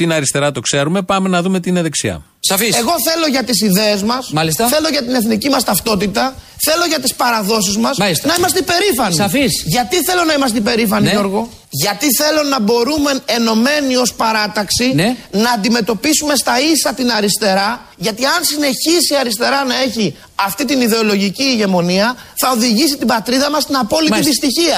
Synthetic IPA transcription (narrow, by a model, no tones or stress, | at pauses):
t̪inɐɾist̪e̞ɾɐt̪o̞kse̞ɾume̞pɐme̞nɐðume̞t̪iineðeksiɐ̰ | sɐfise̞ɣo̞θe̞lo̞ʝɐt̪isiðeːzmɐsmɐlistɐθe̞lo̞ʝɐt̪ine̞θnicimɐst̪ɐft̪o̞t̪it̪ɐ | θe̞lo̞ʝɐt̪ispɐɾɐðo̞s̬izmɐsisnɐimɐst̪eipe̞ɾifɐnifisʝɐt̪iθe̞lo̞nɐimɐs̬t̪eipe̞ɾifɐnioɾɣo̞ | ʝɐt̪iθe̞lo̞nɐbo̞ɾume̞ne̞no̞me̞nio̞spɐɾɐt̪ɐksinnɐːnd̪ime̞t̪o̞pisume̞st̪ɐisɐt̪inɐɾist̪e̞ɾɐ | ʝɐt̪iɐnsine̞çisiɐɾist̪e̞ɾɐnɐe̞çi | ɐft̪it̪iniðe̞o̞lo̞ʝiciʝe̞mo̞niɐ | θɐo̞ðiʝisit̪ibɐt̪ɾiðɐmɐst̪inɐpo̞liit̪ist̪içiɐ